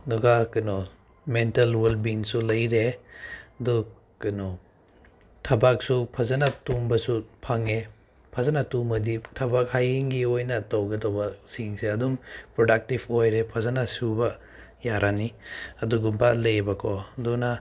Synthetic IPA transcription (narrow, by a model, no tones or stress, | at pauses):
nuɡakɐnɔ | mentɐlwelbiŋsulɐjɾe | dɔ | kɐnɔ | tʰɐbak̚supʰɐzanatumbɐsupʰaŋe | pʰɐzanatumbɐditʰɐbakhajiŋɡiojnɐtɐwɡɐdɔwbɐsiŋseɐdumpɾɔdak̚tibʰojɾepʰɐzanasubɐ | jaɾʔaniɐduɡumbalejbɐkʰɔdɔna